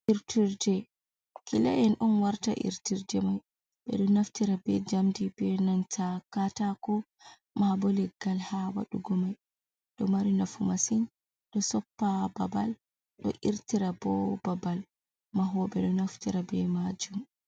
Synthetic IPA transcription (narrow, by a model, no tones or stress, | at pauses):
ʔiɾtiɾd͡ʒɛ | kilajɛnʔɔnwaɾta̰ʔḭɾtiɾd͡ʒɛmaj | ɓɛ̰ɗɔnaftiɾabɛd͡ʒamdibɛnantʰakatakɔ | mabolɛɡalhawa̰ɗuɡɔmaj | ɗɔmaɾinafumasin | ɗɔsɔpːababal | ɗɔ̰ʔiɾtiɾabɔbabal | maɦɔɓɛɗɔnaftiɾabɛmad͡ʒum